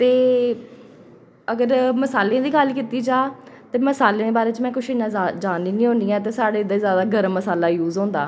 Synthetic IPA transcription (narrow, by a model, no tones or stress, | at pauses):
t̪eː | əɡəɾməsaːleãːd̪iːkalkiːt̪iːd͡ʒaːt̪eːməsaːleːeːbaːɾeːt͡ʃmɛ̃ːkʊʃɪnːãːad͡ʒaːniːnĩːɦõːnd̪iːɛːt̪̬eːsaːɽeːɪd̪eːzjaːd̪aːɡəɾəmːəsaːlaːjuːzõːnd̪a̰ː